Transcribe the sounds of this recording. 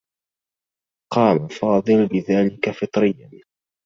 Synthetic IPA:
qɑːmafɑːd̪ˤɨlbɪðaːlɪkafɨt̪ˤɾɪjːan

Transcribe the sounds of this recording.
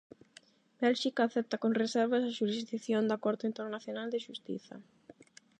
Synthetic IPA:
bɛlʃikaːθɛp̚t̪akonresɛɾβasaʃuɾizðikθjond̪akoɾðʊint̪eɾnaθjonald̪ɪʃust̪ḭθɐ̰

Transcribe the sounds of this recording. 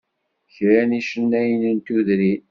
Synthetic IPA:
çɾæniʃənːæjənənt̪uðɾin

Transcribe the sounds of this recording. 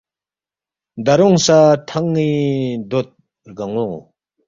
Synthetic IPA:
nd̪aɾoŋsat̪ʰaŋːind̪ot̪̚ | ɦɡəŋoŋ

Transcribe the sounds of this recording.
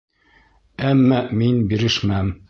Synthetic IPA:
æmːæminbiɾɘʃmæm

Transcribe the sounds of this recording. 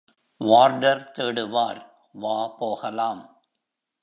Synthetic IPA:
ʋaːɾɖɐɾt̪eːɽɯʋaːɾ | ʋaːpoːɣɐlaːm

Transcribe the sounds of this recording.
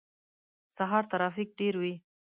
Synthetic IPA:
saɦɑɾt̪aɾɑfik̚ɖeɾwi

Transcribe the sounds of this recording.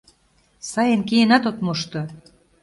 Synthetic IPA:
sɑjenkijenɑt̪ot̪moʃt̪ŏ

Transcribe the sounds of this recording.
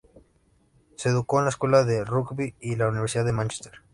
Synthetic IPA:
seðukoenlaeskwelaðerukbiilauniβeɾsiðaðemãnt͡ʃest̪eɾ

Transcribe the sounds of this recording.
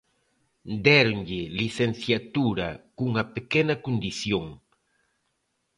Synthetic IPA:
d̪ɛɾoŋʎɪliθen̟θjat̪uɾɐkuŋɐpekɛnɐkond̪iθjoŋ

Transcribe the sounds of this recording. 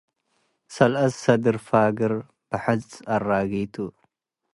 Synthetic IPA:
sɐlʔɐssɐd̪ɨɾfaːɡɨɾ | b̥ɨħɨzʼɐraːɣiːt̪ʰu

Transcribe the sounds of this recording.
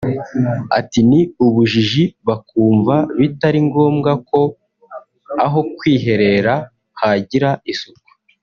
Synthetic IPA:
a̰tiniuβuʒiʒiβakuːɱvaβitaɾiŋɡo̞ːmɡako̞ | aɦo̞kwiːɦe̞ɾe̞ɾa | haɟiɾaisuku̥

